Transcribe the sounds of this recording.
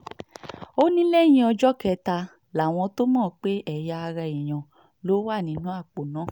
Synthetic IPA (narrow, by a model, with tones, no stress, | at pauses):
o˦nĩ˦lɛ˦˨j̃ĩ˧ɔ˧d͡ʒɔ˦kɛ˧ta˧ | la˨w̃ɔ̃˧to˦mɔ̃ː˦˨k͡pe˦ɛ˦˨ja˧a˧ɾa˧ĩ˨j̃ɔ̃˨ | lo˨˦wa˦˨nĩ˨˦nũ˦a˦˨k͡po˨nã˨˦˨